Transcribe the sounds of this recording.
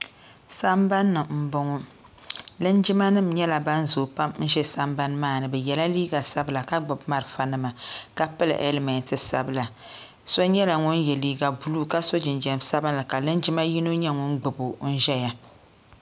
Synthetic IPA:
sa˦mba˦nːɨ˨m̩˨bʊ˦ŋɔ˦ | lɨ˦nd͡ʒɪ˦ma˦nɨ˦˨mɲɛ˦la˨ba˦n˦zo˨pa˦m˦n̩˦ʒɛ˦sa˦mba˦nmaː˦˨nɨ˨bɛ˨jɛ˨la˦liː˦ɡa˨sa˦bɨ˨la˨ka˦ɡ͡bʊ˨bma˦ɾɨ˨fa˦nɨ˦ma˨ka˦pɨ˦lɨ̰˨ʔɛ˦lmɛ˨ntɨ˨sa̰˨bɨ˨la˨ | so˦ɲɛ˦la˨ŋʊ˦njɛ˨liː˦ɡa˨bu˨lu˦˨ka˦so˦d͡ʒɪ˨nd͡ʒɛ˦m˦sa˦bɨ˦n˦lɨ˨ka˨lɨ˦nd͡ʒɪ˦ma˦ji˦no˦ɲɛ˦ŋʊ˦nɡ͡bɨ˨bo˨n̩˦ʒɛ˦ja˨

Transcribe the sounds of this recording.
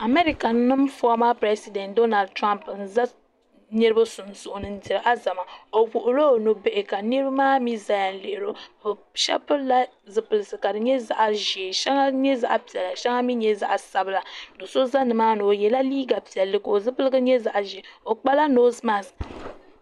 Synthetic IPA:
a˨me˦ɾi˦ka˨nːɨ˦mfɔ˦ma˦pɾe˦si˦dɛ˨ntdo˦na˨ld̚tɾa˦mpn̩˦za˦ | nɨ˦ɾɨ˦ba˦sʊ˨n˦sʊ˨ʔʊ˨nɨ˨n̩˦ti˨ɾɨ˨ʔa˦za˨ma˨o˨wu˨ʔʊ˨lo˦˨no˨be˦ʔɪ˨ka˨nɨ˦ɾɨ˦bmaː˦mi˦za˦ja˨n̩˦le˨ʔɾo˦˨ | ʃɛ̰˦pɨ˦la˦ | zɨ˨pɨ˨lɨ˨sɨ˨ka˨dɨ˨ɲɛ˦za˨ʔa˨ʒi˨e˨ʃɛ˦ŋa˦ɲɛ˦za̰˦ʔa˨pi˨ɛ˨la˨ʃɛ˦ŋa˦mi˦ɲɛ˦za̰˦ʔa˨sa˨bɨ˦la˨do˨so˦za˦nɨ˨maː˦nɨ˨o˨jɛ˨la˦liː˦ɡa˨pi˨ɛ˨lːɨ˦ko˨o˨zɨ˦pɨ˦lɨ˦ɡɨ˦ɲɛ˦za˨ʔa˨ʒe˨o˨k͡pa˦la˦no˦zma˦˨s

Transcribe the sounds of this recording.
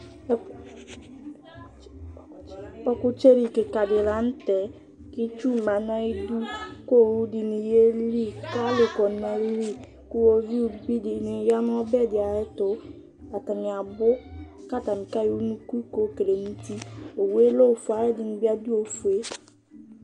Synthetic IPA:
ɔ˦kʊ˦t͡ʃe˦ɾi˨kɪ˨ka˨dɪ˨la˨˦n̩˦tɛ˨ | kɪ˦t͡ʃu˦˨ma˨na˦i˦du˦ko˦˨wu˦dɪ˨ni˨je˦li˦˨ka˦lɪ˨kɔ˨nɛ˨˦li˦ | kʊ˦o˦vi˦u˦bi˦dɪ˨˦nɪ˨˦ja˦nʊ˦ɔ˦bɛ˦˨dɪ˨a˨ɪ˦tʊ˨ | a˨ta˨nɪ˨a˨bʊ˦ | ka˦˨ta˨mɪ˨ka˦ji˨u˦nũ˦ku˦ko˦ke˨le˨nu˦ti˦o˨we˦lo˦˨fu˨a˨˦ɛ˦dɪ˨nɪ̃˨bi˦a˦du˦o˨fu˨e˦

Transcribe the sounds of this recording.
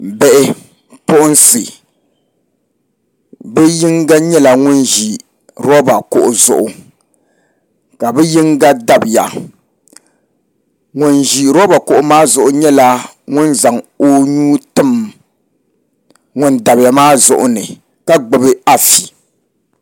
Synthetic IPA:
bɛ˦˨ʔɪ˦ | pʊ˦ʔʊ˦n˦sɨ˨ | bɛ˦ji˦ŋɡa˦ɲɛ˦la˨ŋʊ˦nʒi˨ | ɾɔ˦ba˨kʊ˦˨ʔʊ˨zʊ̰˨ʔʊ˨ | ka˨bɛ˦ji˦ŋɡa˦da˨bɪ˨ja̰˨ | ŋʊ˦nʒi˨ɾɔ˦ba˨kʊ˨ʔʊ˨maː˦zʊ˨ʔʊ˨ɲɛ˦la˦ | ŋʊ˦nza˨ŋo˦ɲuː˦tɨ˦m | ŋʊ˦nda˨bɪ˨ja˨maː˦zʊ̰˨ʔʊ̰˦nɨ˨ | ka˦ɡ͡bɨ˨bɨ˦a˨fi̥˨

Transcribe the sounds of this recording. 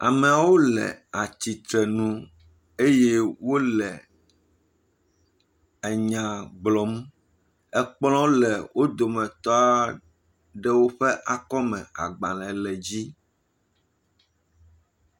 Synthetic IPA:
a̰˨mɛ̃˨a˨wo˦lɛ̰˨a˨t͡ɕi˨t̪ɾɛ˨nũ˦ | e˦je˦wo˦lɛ˨ | ɛ˨ɲã˨ɡ͡blɔ˨mũ˦ | ɛ˦k͡plɔ̃˦lɛ˨wo˦d̪o˨mɛ̃˨t̪ɔ˦a˦ | ɖɛ˦wo˦ɸɛ˦ʔa˨kɔ˦mɛ̃˨a̰˨ɡ͡bã˨lɛ̃˨lɛ˨d͡ʑi˦

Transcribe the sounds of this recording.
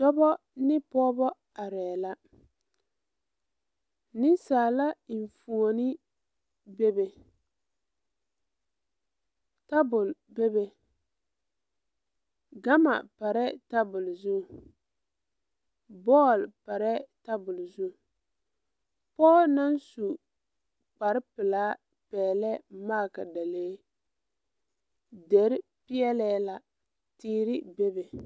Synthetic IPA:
dɔ˦bɔ˦ | nɪ˦pɔː˦bɔ˦ | a˨ɾɛː˨la˦ | nɪ˦nsaː˨la˦˨ɱ˨fu˨o˨nɪ˦ | be˦be˨ | ta˦bʊ˨lbe˦be˨ | ɡa˦ma̰˨pa˨ɾɛ˦ta˦bʊ˨lzu˦˨ | bɔ˦˨lpa˨ɾɛ˦ta˦bʊ˨lzu˦˨ | pɔː˦na˦nsu˨ | k͡pa˨ɾpɪ˨laː˦ | pɛː˨lɛ˦ma˦˨ka̰˨da˨leː˦ | de˨ɾɪ˦ | pɪ˦jɛ˦lɛː˦la˨ | tiː˦ɾɪ˦be˦be˨

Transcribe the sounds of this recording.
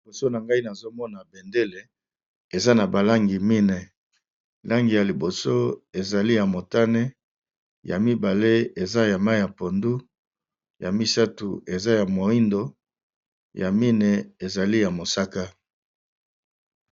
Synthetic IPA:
i˨bo˨so˦na˨ŋɡa˦i˦na˨zo˦mɔ˦na˨be˨nde˦le˨ | e˨za˦na˨ba˨la˦ŋɡi˨mi˦ne˨ | la˦ŋɡi˨ja˨li˨bo˨so˦e˨za˨li˦ja˨mo˨ta˦ne˦ | ja̰˨mi˦ba˨le˦e˨za˦ja˨ma˦˨ja˨po˨ndu˦ | ja˨mi˦sa˦tu˨e˨za˦ja˨mo˨i˦ndo˨ | ja˨mi˦ne˨e˨za˨li˦ja˨mo˨sa˦ka˦

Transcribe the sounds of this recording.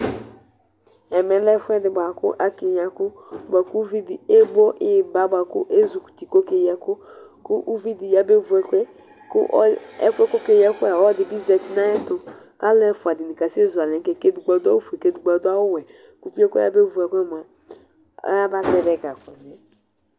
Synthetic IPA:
ɛ˨mɛ˨lɛ˦fʊ˦ɛ˦dɪ˨ba˨kʊ̰˦ʔa˨ke˨ɲ˨a˨kʊ˦ba˨ku˦vi˦dɪ˨e˦bo˦ʔɪ˦˨ba˨˦bʷa˨kʊ˦ʔe˦zu˨ku̥˨ti˨ko˦ke˨jɛ˦kʊ˦kʊ˦ʔu˦vi˦di˨ja˦be˦vu˨ɛ˦kʷɛ˦ | kʊ̰˦ʔɔ˦ɛ̰˦kʷɛ˦ko˦ke˨jɛ˦kʊ˦ɛ˦˨wɔ˦dɪ˨bi˦zɛ˨ti˨na˦ɛ˦tʊ˨ | ka˦lɛ˦fʊ˨a˨dɪ˨nɪ˨ka˨se˦zʊ˨a˨lɛ˨˦kɛ˦ke˦di˨ɡ͡ba˨dʊ˦a˦u˦fu˨e˨ke˦du˨ɡ͡ba˨dʊ˦a˦wʊ˦wɛ˨ | ku˦fi˦ɛ˦kɛ̰˦a̰˦be˦vu˨ɛ˨kʷɛ˦m˨a̰˨˦ | a˦ba˦tɛ˦˨dɛ˦ɡa˨kɔ˨nɛ˨

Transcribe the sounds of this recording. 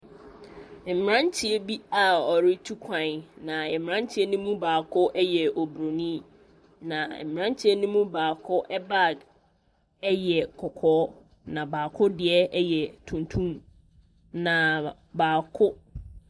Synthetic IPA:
m̩˨mɾã˦n˦tʰi˦ɛ˦bi˦a˨ɔ˨ɾɪ˦tʰu˦kʷʰã˨n˨nã˨ɛ˨mɾã˦n˦tʰi˦ɛ˦nũ˦mũ˦baː˨kʰʊ˦ʔɛ˦jɛ˨ɔ˨bɾo˨nĩ˦ | nã˨m˨ã˦n˦tʰi˦ɛ˦nũ˦mũ˦baː˨kʰʊ˦ʔɛ˦ba˦˨d | ɛ˦jɛ˨kʰɔ˨kʰɔː˦ | nã˨baː˨kʰʊ˦dɪ˨ɛ˦ɛ˦jɛ˨tʰũ˨ntʰũ˦m | nã˨ | baː˨kʰʊ˦

